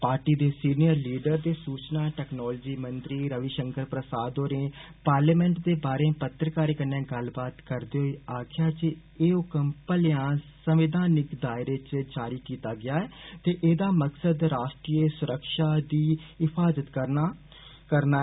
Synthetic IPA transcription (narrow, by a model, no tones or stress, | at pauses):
paːɾʈiːd̪eːsiːnijəɾliːɖəɾd̪eːsuːt͡ʃnaːʈɛːknɔːld͡ʒiːmənt̪ɾiːɾəʋiːʃəŋkəɾpɾəsaːd̪oːɾẽː | paːɾleːmɛ̃ːɳʈd̪eːbaːɾeːpət̪ɾəkaːɾeːkənːãːɡəlbaːt̪kəɾd̪eːɦoiːaːkʰjaːd͡ʒeː | eːʊkəmpəljãːsəmʋɪd̪ʱaːnɪkd̪aːɪɾeːt͡ʃd͡ʒaːɾiːkiːt̪aːɡɪaːɛːt̪eːʔeːd̪aːməksəd̪ɾaːʃʈɾiːesʊɾəkʃaːd̪iːɪpʰaːzət̪kəɾna | kəɾnaː